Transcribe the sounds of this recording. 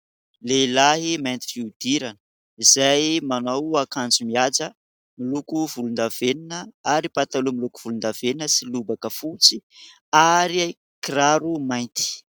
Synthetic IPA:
lelaɦimajnt̪i̥fiud̪iɾanə | izajmanawakand͡zumiad͡zə | milukuvulund̪aveninəaɾipat̪alumiluku̥v̥ulund̪aveninəsilubakəfut͡si | aɾia | kraɾumajnt̪i̥

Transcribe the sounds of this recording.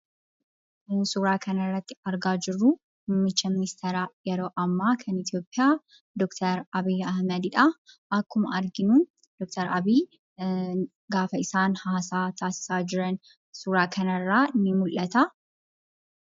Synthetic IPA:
suːɾaːkʰɐnɐrːɐt̪ːɪ̥ɐɾɡaːd͡ʒɪrːu | hʊmːɪt͡ʃːɐmɪnɪst̪ʰɛɾaːjɛɾo̞ːʔɐmːaːkʰɐnɪt̪jo̞ːpʼːɪjaː | d̪ɔkt̪ʰɐɾɐbiːɐhmɐd̪ɪᶑɐʔɐkːʊmɐɐɾɡɪnu | d̪̥ɔk̚t̪ʰɐɾɐbiː | ɡaːfɐɪsaːnhaːsaːt̪ʰaːsɪ̥saːd͡ʒɪɾɐn | suːɾaːkʰɐnɐrːaːɪnːɪmʊlʔɐt̪ɐ

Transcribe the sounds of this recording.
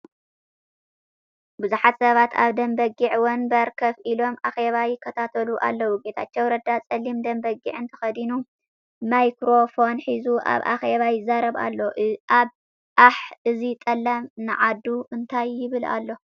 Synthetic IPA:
bɨzuħat̪sɐβat̪ʰa̰βd̪ɐmbɐɡiʕwɔnbɐɾkʰɐβʔilo̞mʔaxe̞βajɪkʰːɐt̪ʰat̪ʰɐluʔa̰lːɐwuɡet̪ʰat͡ʃːɐwɾɐd̪at͡sʼɐlːimd̪ɐmbɐɡiʕɨnt̪ʰɐ̥xɐd̪inu | majkɾo̞fo̞nħizuʔa̰βʔa̰xe̞βajɪzaɾɐβa̰lːo̞ʔʔaβ | ʔaħʔɨzit̪ʼɐlːɐmnɨʕad̪ːuʔɨnt̪ʰajːɪβɨla̰lːo̞

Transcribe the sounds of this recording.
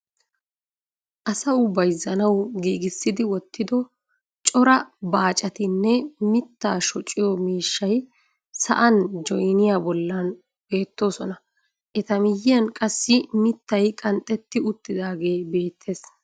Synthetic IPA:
ʔɐsɐʊbɐjzɐnɐwɡiːɡɪsːɪd̪ɪwɔt̪ːɪd̪ɔ | t͡ʃʼɔɾɐbaːt͡ʃʼɐt̪ɪnːɛmɪt̪ːaːʃɔt͡ʃʼːɪjɔmiːʃːɐj | sɐ̰ʔɐnd͡ʒɔjnɪjaːbɔlːɐn | be̞ːt̪ːo̞ːsɔnɐ | ʔɛt̪ɐmɪjːɪjɐnkʼɐsːɪmɪt̪ːɐjkʼɐnt̪ʼːɛt̪ːɪʊt̪ːɪd̪aːɡe̞ːbe̞ːt̪ʰːe̞ːs

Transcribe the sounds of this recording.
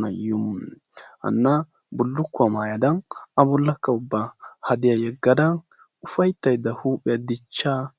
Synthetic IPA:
nɐ̰jʊm | hɐ̰nːɐ | bʊlːʊkːʊɐmaːjɐd̪ɐnɐbɔlːɐkːɐʊbːahɐd̪ɪjɐjɛɡːɐd̪ɐn | ʊfɐjt̪ːɐjd̪ːɐhuːpʼɪjɐd̪ɪt͡ʃːaː

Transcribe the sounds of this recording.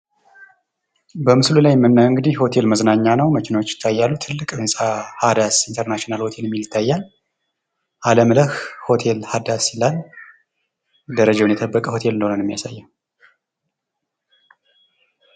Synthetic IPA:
bəmɨslulajmːɨnːawɨŋɡɨd̪iho̞t̪ʰe̞lməznaɲːanəwməkʰɪnot͡ʃːjɪ̥t̪ʰːajːalːut̪ʰɨlːɨkʼɨnsʼahad̪asint̪ʰəɾnaʃonalho̞t̪ʰe̞lɛmːiljɪt̪ʰːajːal | ʔaləmləhho̞t̪ʰe̞lhad̪asilal | d̪əɾəd͡ʒawnjɛt̪ʰəbːəkʼəho̞t̪ʰe̞lɨnːəhonənɛmːija̰sajːa

